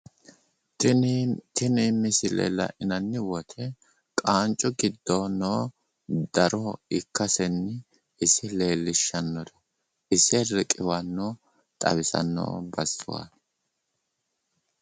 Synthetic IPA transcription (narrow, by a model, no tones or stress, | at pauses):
t̪ɪniːmɪsɪlḛːlɐ̰ʔɪnɐnːɪwɔt̪ʰɛ | kʼaːnt͡ʃʼːʊɡɪd̪ːoːnoː | d̪ɐɾɔɪkːɐsɛnːɪ | ɪsɪle̞ːlːɪʃːɐnːɔd̪ɐ̥ | ʔɪsɛɾɛkʼɪwɐnːoː | t̪ʼɐ̰bɪsɐ̰nːo̰ːbɐsːʊ̰wa̰